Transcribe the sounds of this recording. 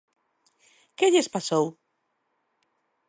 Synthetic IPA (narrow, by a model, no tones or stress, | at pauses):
keʎespasow